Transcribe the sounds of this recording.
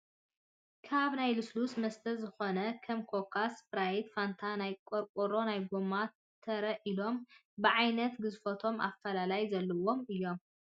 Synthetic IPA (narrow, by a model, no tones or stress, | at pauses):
kʰaβnajluslusmɐst̪ʰɐzɨxonɐkʰɐmkʰokʰaspɾajid̪fant̪ʰanajkʼoɾkʼoɾo̞najɡoma | t̪ʰːɐɾɐʔilo̞m | bɨʕajnɐt̪ɡɨzfɐt̪ʰo̞ma̰fːɐlalajzɐlːɐwo̞mɨjːo̞m